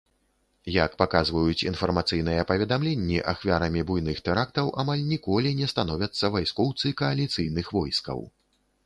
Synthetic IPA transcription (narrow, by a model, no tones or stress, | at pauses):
jakpakazvɐjut͡sʲḭnfɐrmat̪sɨjnɨjɛpɐvʲɛd̪amlʲenʲːiʔaxvʲaɾɐmʲibujnɨxt̪ɛɾak̚t̪ɐwʔa̰malʲnʲikɔlʲinʲɛst̪an̪ɔvʲɐt̪sːɐvajskɔwt̪sɨkɐːlʲit̪sɨjnɨxvɔjskɐ̰w